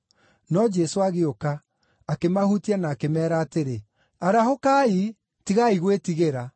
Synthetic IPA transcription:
nɔd͡ʒɛsoaɣeokaː | kemahutianaːkemɛːɾaːteɾe | aɾahokai | tiɣaiɣwetiɣeɾa

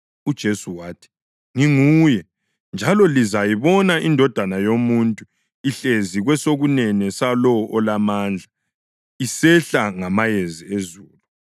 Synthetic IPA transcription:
ud̥ʒ̥ʱesuwaːtʰi̥ | ŋiŋujɛ | nd͡ʒʱalɔlizajiβɔnaʔindʱɔd̥ʱanajomuntʼu | iɬeziɣwɛsoɣunɛnɛsalɔʔɔlamaːnd͡ɮʱa | isɛɬaŋamajeziezuːlu

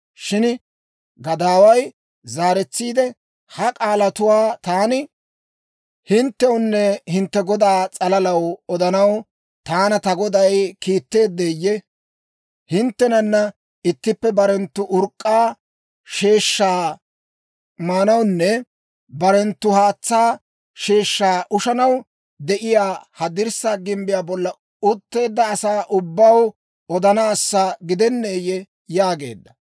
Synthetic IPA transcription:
ʃɪn | ɡɐd̪aːwɐj | zaːɾɛt͡sːiːd̪ɛ | hɐkʼaːlɐt̪ʊwaːt̪aːnɪ | hɪnt̪ːɛwʊnːɛhɪnt̪ːɛɡɔd̪aːt͡sʼɐlɐlɐwɔd̪ɐnɐw | t̪aːnɐt̪ɐɡɔd̪ɐjkiːt̪ːe̞ːd̪ːeːjːɛ | hɪnt̪ːɛnɐnːɐ | ɪt̪ːɪpːɛbɐɾɛnt̪ːʊʔʊɾkʼːaː | ʃe̞ːʃːaː | maːnɐwnːɛ | bɐɾɛnt̪ːʊhaːt͡sːaː | ʃe̞ːʃːaːʔʊʃɐnɐw | d̪ɛʔɪjaːhɐd̪ɪɾsaːɡɪmbɪjaːbɔlːɐ | ʊt̪ːe̞ːd̪ːɐːsaːʔʊbːɐw | ɔd̪ɐnɐːsːaːɡɪd̪ɛnːeːjːɛ | jaːɡe̞̰ːd̪ːɐ

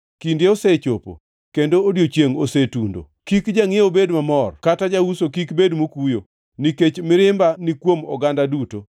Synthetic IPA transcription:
kindjeoset͡ʃopo̰ | kendoːdjot͡ʃjeŋosetundo̰ | kikd͡ʒaŋɪobedmamɔrkatad͡ʒausokikbedmokujo | niket͡ʃmɪɾɪmbanikwomɔ̰ɡandaduto

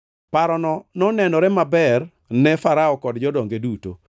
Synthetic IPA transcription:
paɾɔnɔnɔnɛnɔɾɛmabɛr | nɛfaɾaɔkɔdd͡ʒɔdɔŋɡeduto̰

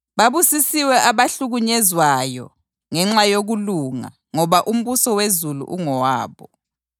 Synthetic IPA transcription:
βaβusisiwɛʔaβaɬuɣuɲɛzwajɔ̰ | ŋɛŋ͡ǁajoɣuluŋa̰ | ŋɔβaʔum̩βusɔwezulṵʔuŋɔwaːβɔ

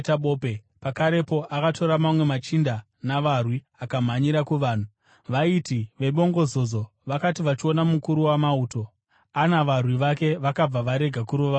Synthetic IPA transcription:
taɓoːpe | pakaɾe̞po̞ʔakatʰo̞ɾamamwe̞mat͡ʃinda | naʋarwi | akam̤aɲiɾakuʋaːn̤u | ʋaitiʋe̞ɓo̞ŋɡo̞zo̞zo̞ | ʋakatiʋat͡ʃio̞namukuɾuwamauːto̞ | anaʋarwiʋake̞ʋakab͡vaʋaɾe̞ɡʱakuɾoʋa

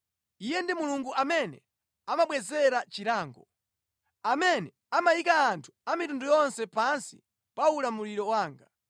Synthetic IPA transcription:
ijɛndimuluŋɡuʔamɛnɛ̰ | amaɓwɛzɛɾat͡ʃiɾaːŋɡɔ | amɛnɛ | amajikaːntʰu̥amitundujɔnsɛpansḭ | paulamuliɾɔwaːŋɡa

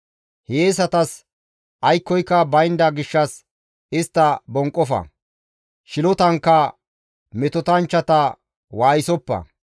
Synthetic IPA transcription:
heːs̬ɐt̪ɐs | ʔɐjkːɔjkːɐbɐjnd̪ɐɡɪʃːɐs | ɪst̪ːɐbɔŋkʼːɔfɐ̰ | ʃɪlɔt̪ɐŋkːɐ | mɛt̪ɔt̪ɐnt͡ʃːɐt̪ɐ | waːjɪsɔpːɐ̰

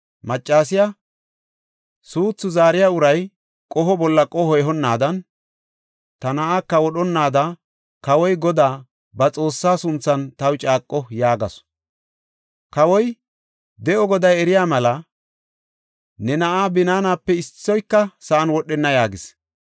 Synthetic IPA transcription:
mɐt͡ʃʼːaːs̬ɪja | suːt͡sːʊzaːɾɪjaːʊɾɐj | kʼɔɦɔbɔlːɐkʼɔhɔɛɦɔnːaːd̪ɐn | t̪ɐnɐʔaːkːɐwɔɗɔnːaːd̪ɐ | kɐwɔjɡɔd̪aː | bɐt͡sʼo̞ːsːaːsʊnt͡sːɐnt̪ɐwt͡ʃʼaːkʼːɔjaːɡɐ̰s | kɐwɔj | d̪ɛʔɔɡɔd̪ɐjɛɾɪjaːmɐlɐ | nɛnɐʔaːbɪnaːnaːpːɛɪsːɔjkːɐsɐʔɐnwɔɗɛnːɐjaːɡɪs

